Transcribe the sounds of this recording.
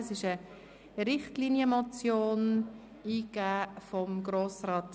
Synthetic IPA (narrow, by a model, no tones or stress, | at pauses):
əsɪʃə | ɾɪχtliːnjəmɔt͡sjoːn | iːɡaːfɔmɡɾoːsrɑːt